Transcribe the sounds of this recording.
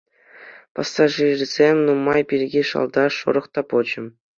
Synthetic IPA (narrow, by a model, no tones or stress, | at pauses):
pɑsːɑʐirʲzʲemʲnumːɑjpʲirʲɡʲiʂɑ̰lˠd̪ɑʂo̰ɾɤ̆χt̪ɑpod͡ʑɤ̆m